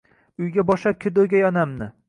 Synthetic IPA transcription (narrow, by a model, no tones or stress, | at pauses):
ʊjɡʲabɒʃap̚kʲʰɪd̪oɡʲajɒnamnɪ